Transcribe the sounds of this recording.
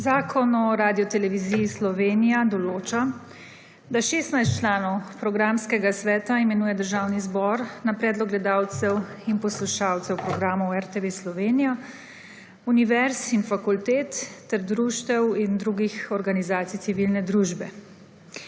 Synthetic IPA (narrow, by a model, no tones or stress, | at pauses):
zaːkʰɔnɔɾaːd̪ijɔt̪ɛlɛʋiziːjːslɔʋeːnijad̪ɔloːt͡ʃa | d̪aʃeːst̪najst̪t͡ʃlaːnɔwpɾɔɡɾamskɛɡasʋɛːt̪aimɛnuːjɛd̪əɾʒaːwnizbɔɾnapɾɛːd̪lɔkɡlɛd̪aːwt̪sɛwinpɔsluʃaːwt̪sɛwpɾɔɡɾaːmɔwɛɾt̪eʋeslɔʋeːnijɔ | uniʋɛɾsinfakult̪eːt̪ːɛɾd̪ɾuːʃt̪ɛwind̪ɾuɡixɔɾɡanizaːt̪sijt̪siʋilnɛd̪ɾuːʒbɛ̰